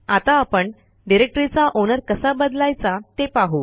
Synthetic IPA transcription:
at̪aːpəɳ | ɖiɾek̚ʈɾit͡saʔonəɾkəsabəd̪lajt͡sat̪epaɦu

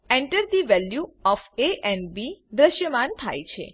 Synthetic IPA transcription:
ɛ̃ɳʈəɾd̪iʋɛljuɔfeʔɛ̃ɳɖbid̪ɾəʃjəmant̪ʰa̰jt͡ʃʰḛ

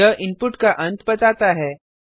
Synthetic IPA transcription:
əʔinpuʈkaʔənt̪bət̪at̪aɦɛ

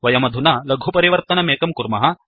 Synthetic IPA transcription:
ʋɐjɐmɐd̪ʱunɐlɐɡʱupɐɾiʋɐɾt̪ɐnɐmeːkɐmkuɾmɐɦɐ

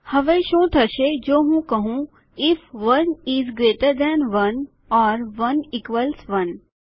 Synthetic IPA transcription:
hɐʋeʃõt̪ʰɐʃed͡ʒoːɦũːkəɦũ | ɪfʋɐnizɡɾeːʈəɾd̪ɛnʋɐn | ɔːɾʋɐnɪkʋəlsʋɐn

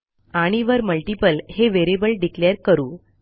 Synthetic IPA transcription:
aɽ̃iʋəɾməlʈipəlheʋeɾibəlɖikleəɾkəɾuː

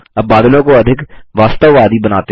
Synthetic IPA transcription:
ɐbaːd̪lõkoɐd̪ʱɪkʋaːst̪əʋːaːd̪ibɐnaːt̪e

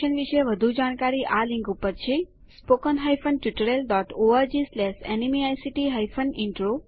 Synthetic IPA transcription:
ənʋiʃeʋəd̪ʱud͡ʒaɽ̃kaɾiʔalĩŋkupəɾt͡ʃʰe | spokənɦajfʰənʈjuʈəɾelɖɔʈoaɾd͡ʒislɛsɛnimiajsiʈiɦajfʰəniɳʈɾo

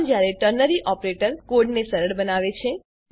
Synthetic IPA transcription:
d͡ʒjaɾeʈəɾnəɾiʔɔpɾeʈəɾkoɖnesəɾəɭbənaʋet͡ʃʰe

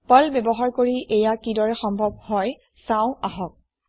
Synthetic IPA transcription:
pɔlbɛbɔɦaɹkoɹiʔɛjakidɔɹɛxɔmbʱɔb̚hɔj | sãʊ̃aɦɔk̚

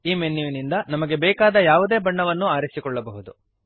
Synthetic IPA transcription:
iːmenːjuʋinind̪ɐnɐmɐɡe̞bɛːkaːd̪ɐjaːʋud̪eːbɐɳːɐʋɐnːuaːɾisikɔɭːɐbɐɦud̪u

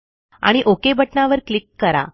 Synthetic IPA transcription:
a̰ɽ̃iʔokebʱəʈɳaʋəɾklikːəɾa̰

